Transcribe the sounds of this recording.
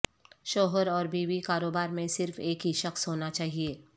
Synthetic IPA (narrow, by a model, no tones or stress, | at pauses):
ʃoːɦəɾɔːɾbiːbikaːɾoːbaːɾmẽsɪɾfeːkɦiʃɐxsɦoːnat͡ʃaːɦieː